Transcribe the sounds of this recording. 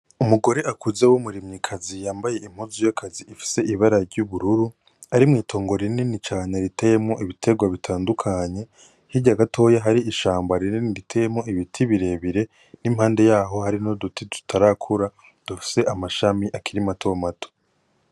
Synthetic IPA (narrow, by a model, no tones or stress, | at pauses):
umuɡo̞ɾeʔakuzewumuɾimɲikʰazijaːmbaje̞im̥huzujakʰaziʔifi̥se̞iβaɾaɾɟuβuɾuɾu | aɾimŋiːtʰo̞ːŋɡo̞ɾinenit͡ʃaːɲeɾitʰejemŋo̞ʔiβitʰe̞ɡwaβitʰaːndukʰaɲe̞ | hiɟaɡatʰo̞ːjaɦaɾiːʃaːmbaɾineniɾitʰejemo̞iβitʰiβiɾe̞ːβiɾe̞ | nimhaːnde̞jaːɦo̞haɾino̞dutitu̥tʰaɾakʰuɾa | d̥ufi̥se̞ʔamaʃamiʔakʰiɾimatʰo̞matʰo̥